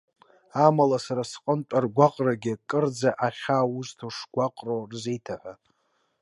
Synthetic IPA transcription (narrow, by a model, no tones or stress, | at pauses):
amalasaɾasqʼəntʷʼarɡʷaqʼraɡʲɪkʼɨrd͡zaʔaχʲauztʰoʂɡʷaqʼrorzejtʰaħʷa